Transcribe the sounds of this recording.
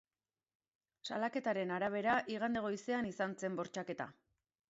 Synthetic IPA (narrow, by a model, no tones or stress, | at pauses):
salake̞t̪aɾe̞naɾaβ̞e̞ɾaʔiɣ̞and̪eɣ̞o̞ise̞anisant͡se̞mbo̞ɾt͡ʃake̞t̪a̰